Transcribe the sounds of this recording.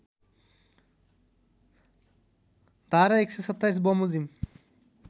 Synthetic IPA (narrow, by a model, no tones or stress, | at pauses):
d̪aɾaeksesɔt̪ːajs̬bɔmuzim